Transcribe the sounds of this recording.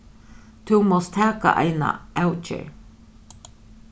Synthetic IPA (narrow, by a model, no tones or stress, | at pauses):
t̪ʰumɔst̪ʰæːkaʔa̰jna̰ʔɛwt͡ʃə̰ɹ